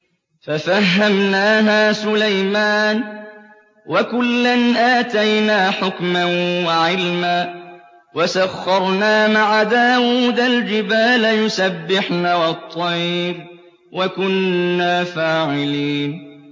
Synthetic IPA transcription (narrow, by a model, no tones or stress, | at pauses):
fafaɦːamnaːɦaːsʊlajmaːn | wakʊlːanʔaːt̪ajnaːħʊkmanwaʕɪlmaː | wasaxːɑɾˤnaːmaʕad̪aːwuːd̪ald͡ʒɪbaːlajʊsabːɪħnaːwɑt̪ˤːɑjːɾ | wakʊnːaːfaːʕɪliːn